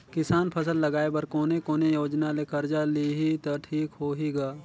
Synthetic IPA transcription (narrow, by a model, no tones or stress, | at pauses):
kɪsaːnpʰɐsəlːɐɡaːebɐɾkoːnekoːnejoːd͡ʒnalekɐɾd͡ʒaliɦit̪oʈʰiːkɦoːɦiɡaː